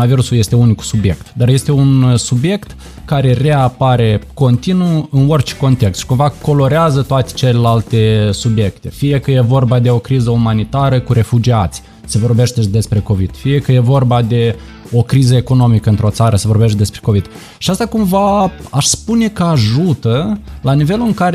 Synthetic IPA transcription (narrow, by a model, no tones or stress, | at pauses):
aviɾusuje̞st̪e̞uniksubje̞̰kt̪d̪arje̞st̪e̞unsubje̞kt̪ | kaɾe̞re̞apaɾe̞ko̞nt̪inuɨnorʲt͡ʃe̥ko̞nt̪e̞kst̪ʃi̥kumvako̞lo̞ɾeazət̪oat̪e̥t͡ʃe̞le̞lalt̪e̞subje̞kt̪e̞fije̞kəje̞vo̞rbad̪e̞o̞kɾizəumanit̪aɾəkuɾe̞fud͡ʒiat̪sʲ | sevo̞rbe̞ʃt̪ed̪e̞spɾe̞ko̞vid̪̥fije̞kəje̞vo̞rbad̪e̞ | o̞kɾizəe̞ko̞no̞mikəɨnt̪ɾo̞t̪saɾəsevo̞rbet̪̚ʲd̪e̞spɾe̞ko̞vid̪̥ | ʃiast̪akumvaaʃspune̞kəaʒut̪əlanive̞luɨŋkaɾe